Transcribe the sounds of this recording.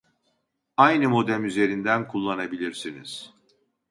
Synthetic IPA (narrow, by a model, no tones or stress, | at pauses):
ajnɯmo̞d̪æmyze̞ɾind̪ænkʰulˠːanabilʲiɾsinḭz̥